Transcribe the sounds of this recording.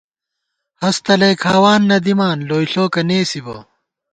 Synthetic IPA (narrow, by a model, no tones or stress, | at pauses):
hɐst̪ɐlejkʰaːwaːnːɐd̪imaːnloːiɬoːkɐneːsibo̰ː